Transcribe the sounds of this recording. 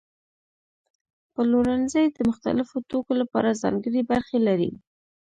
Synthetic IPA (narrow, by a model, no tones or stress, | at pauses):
pəloɾanzəjd̪əmʊxt̪a̰lɪfot̪okolapɑ̰ɾazɑ̰ŋɡəɽibaɾxelaɾḭ